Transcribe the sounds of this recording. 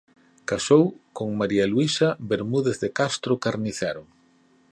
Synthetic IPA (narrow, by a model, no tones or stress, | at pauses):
kasowkoŋmaɾialwisaβeɾmuðeθðekast̪ɾʊkaɾniθɛɾʊ